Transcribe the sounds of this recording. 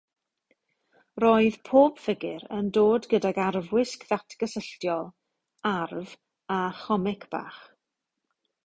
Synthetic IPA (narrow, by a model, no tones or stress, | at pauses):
roːɨð̥pʰoːb̥fɪɡɪɾəndoːdɡədaɡarvwɪskðatʰɡ̥əsəɬtjɔlˠ | arv | aχɔmɪkʰb̥a̰ːχ